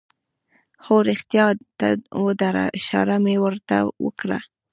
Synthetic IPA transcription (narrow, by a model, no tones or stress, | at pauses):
xoɾɪxt̪jɑt̪awəd̪aɾa̰ʃɑ̰ɾamewəɾt̪a̰wə̰kɽa̰